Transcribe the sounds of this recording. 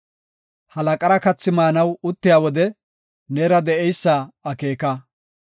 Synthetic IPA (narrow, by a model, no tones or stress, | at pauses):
hɐlɐkʼɐɾɐkɐt͡sːɪmaːnɐwʊt̪ːɪjaːwɔd̪ɛ | neːɾɐd̪ɛʔɛjsːaɐke̞ːkɐ